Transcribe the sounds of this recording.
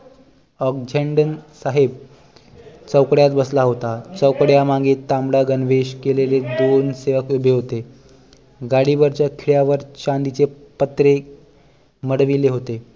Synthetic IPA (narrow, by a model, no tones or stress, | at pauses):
ɔk̚d͡ʑʱeɳɖənsaɦeb | t͡səwkɽjat̪bəslaɦot̪at͡səwkɽjamaɡiːt̪ːambɽaɡənʋeɕkeleled̪onseʋəkubʱeɦot̪e | ɡaɽibəɾt͡ɕjakʰiɭjaʋəɾt͡ɕand̪it͡sepət̪ɾe | məɽʋileɦot̪e